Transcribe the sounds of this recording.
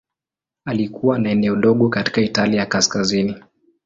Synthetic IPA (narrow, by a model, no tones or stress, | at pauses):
alikuwanaɛnɛɔɗɔɠɔkati̥kaitalijakaskazini